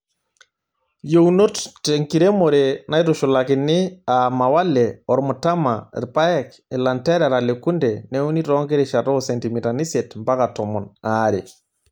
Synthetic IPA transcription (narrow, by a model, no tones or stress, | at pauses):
jowunotteŋkiɾemoɾenajtuʃulakinːiamawalɛɔɾmutama̰ɾpajɛk | ɛlantɛɾaɾalekundɛneuniɾɔŋɡeɾiʃatosentimitanisetmbakatɔmɔnaɾe